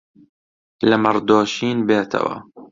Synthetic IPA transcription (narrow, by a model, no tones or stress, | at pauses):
lamɑɾˤd̪oːʃiːnbeːt̪ʰa̰wa̰ː